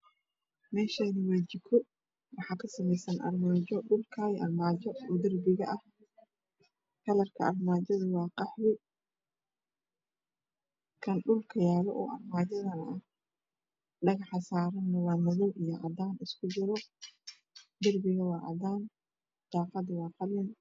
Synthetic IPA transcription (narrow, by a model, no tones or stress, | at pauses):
mɛːʃaːnɪwɛːd͡ʒɪkʰɔ | wɑħɑːkʰɐsɐmɛjsɐnʔɐ̰rmaːt͡ʃɔɖʊlkʰaːjʔɐrmaːd͡ʒɔɔːd̪ɐrbɪɣɐʔɐh | kʰɐlɐrkʰɐɐrmaːt͡ʃɐðʊwɑːqɑħwɪ | kʰɐnɖʊlkʰɐjaːlɔ̰ʔɔ̰ːʔɐrmaːd͡ʒɐðɐnɐɐh | ɖɐɣɑħsaːɾɐnːɐwɑːmʊðɔwʔijɔʔɐd̪aːnɪskʰʊd͡ʒɪɾɔ | d̪ɐrbɪɣɐwɑːʔɐ̰d̪aːn | d̪̥aːqɑd̪wɑːqɑlɪn